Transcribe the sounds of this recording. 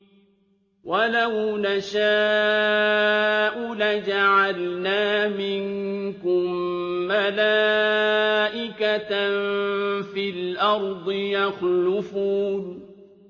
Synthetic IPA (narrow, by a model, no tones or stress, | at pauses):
walawnaʃaː | ʔʊlad͡ʒaʕalnaːmɪŋkʊmːalaː | ʔɪkat̪nfilʔɑɾˤd̪ˤɨjaxlʊfuːn